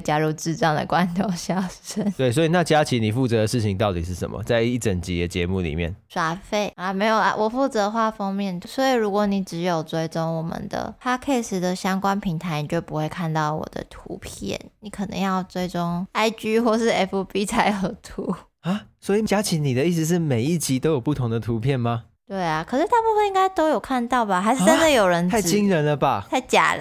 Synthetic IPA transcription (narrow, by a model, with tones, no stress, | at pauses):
t͡ɕja˦˥ɻu˥˧t͡sɻ̩˥˧ʈ͡ʂɑ˨˩ŋd̪ə̰˩kwa˦˥nt̪ʰo˥˧˩ɕjɑ˥˩ʊʂə˥˧nt̪we˥˩i˨˩swɔ˧˥i˨na˥˨˩t͡ɕja˦˥t͡ɕʰi˧˦ni˨˩fu˥˨˩t͡sɤ˧˥d̪ə˦ʂɻ̩˥˩t͡ɕʰi˨˥ŋt̪ɑ˥˩ʊt̪i˨˩ʂɻ̩˥˩ʂə̰˨˩mʔə̰˨˩t͡sa˥˧ɪi˥˩ʈ͡ʂə˨˩nt͡ɕi˨˥d̪ə˧t͡ɕjɛ˧˦mu˥˩lḭ˨˩mjɛ̰˥˨˩nʂwa˥˩fe˥˩ɪa˧˩me˧˥ɪjo˨˩ʊa̰˧˩wʔɔ˨˩fu˥˩t͡sɤ˧˥xwa˥˩fɑ˥ŋmjɛ˥˩nt̪ʰswɔ˧˥i˨˩ɻu˧˥kwɔ˧˦ni˨˩ʈ͡ʂɻ̩˧˥jo˨˩ʊt͡swe˥ɪʈ͡ʂʊ˥ŋwɔ˨˩mə̰˨nd̪ə̰˩t̪ʰa˥kʰe˥˩ɪʂ̩˨˥d̪ə˨ɕjɑ˥ŋkwa˥npʰi˧˥ŋt̪ʰa˧˦ɪni˨˩t͡ɕjo˥˩ʊpu˧˦xwe˥˧ɪkʰa˥˧nt̪ɑ˥˩ʊwɔ̰˨˩d̪ə̰˧˦t̪ʰṵ˧˥pʰjɛ̰˥˩nni˨˥kʰɤ˨˩nɤ̰˧˦ŋjɑ˥˩ʊt͡swe˥ɪʈ͡ʂʊ˥ŋa˥ɪt͡ɕy˥xwɔ˥˧ʂɻ̩˥˩ɛ˥fu˧˥pi˥t͡sʰa˧ɪə˧˩t̪ʰu˨˧˦ | a˦˩swɔ˧˦˥i˨˩t͡ɕja˦˥t͡ɕʰi˧˦nni˨˩d̪ə˦i˥˩s̩˧˦ʂ̬ɻ̩˥˩me˨˩ɪi˥t͡ɕi˧˥t̪o˥ʊjo˨˩ʊpu˥˩t̪ʰʊ˧˦ŋd̪ə˨t̪ʰu˧˥pʰjɛ˥˩nma˨˩ | t̪we˥˩ɪa˩kʰɤ˨˩ʂɻ̩˥˩t̪a˥˧pu˥˩fə˥˨ni˥ŋɡa˥ɪt̪o˥ʊjo˨˩ʊkʰa˥˧nt̪ɑ˥˩ʊba˨˩xa˧˥ʂɻ̩˥ə˦˥nd̪ə˨jo˨˩ʊɻə˧˦˥nʰa˥˩i˦ŋɻə˧˦nlə˨ba˨t̪ʰa˥˩ɪt͡ɕja̰˨˩l